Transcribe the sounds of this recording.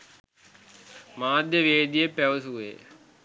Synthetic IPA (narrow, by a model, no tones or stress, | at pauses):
maːd̪ʱjəʋeːd̪ijepɐʋɐsuʋḛː